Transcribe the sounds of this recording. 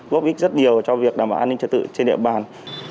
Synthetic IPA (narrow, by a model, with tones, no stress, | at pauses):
ɣo˦˥k͡p̚ʔi˦˥k̚zə˦˥t̚ɲi˨˩əwt͡ɕɔ˧vi˨˩ək̚ɗaː˨˩mɓa̰ː˧˩ʔaː˧nï˧ŋ̟t͡ɕə˨˩t̪̚ɨ̰˧˨t͡ɕe˧nɗḭ˧˨əɓaː˨˩n